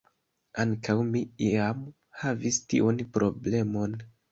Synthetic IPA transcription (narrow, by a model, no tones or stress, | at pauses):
aŋkawmiiam | havistḭʔonpɾʔo̞ble̞mo̞n